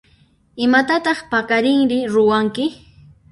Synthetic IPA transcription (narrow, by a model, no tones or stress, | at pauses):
ɪmat̪at̪ɑχpakaɾɪŋɾɪɾʊwaŋkɪ